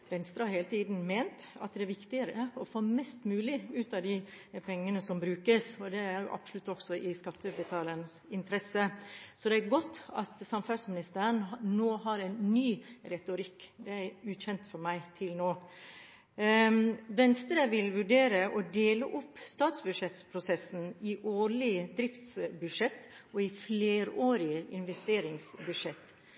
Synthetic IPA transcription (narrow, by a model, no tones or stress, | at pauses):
ʋɛnst̪ɾəhɑɾheːlət̪ʰiːd̪n̩meːnt̪ɑ̰t̪d̪ɛæɾʋɪkt̪ɪəɾəɔfoːmɛst̪mʉːlɪʉːt̪ɑd̪ɪ | pʰɛŋːənəsɔmbɾʉːkəsɔd̪ɛæɾjʊ̰ʔɑ̰b̥sʊlʉt̪ːɔksɔʔɪskɑt̪ːəbət̪ʰɑːlənsɪnt̪ʰɾɛsəsɔd̪ɛæɾɡɔt̪ːɑ̰t̪sɑmfæɾsmɪnɪst̪æɾənnoːɦɑɾæɪnːyːɾɛt̪ʊɾɪkːd̪ɛæɾʉːçɛnt̪fɔɾmæɪt̪ʰɪlnoː | ʋɛnst̪ɾəʋɪlʋʉɖeːɾəʔɔd̪eːləʔʊpːst̪ɑːt̪sbʉd̪ʂɛt̪spʰɾʊsɛsn̩ɪʔoːɭɪd̪ɾɪft̪sbʉʂɛt̪ːɔɪfleːɾoːɾɪəʔɪnʋɛst̪eːɾɪŋsbʉdʂɛt̪ː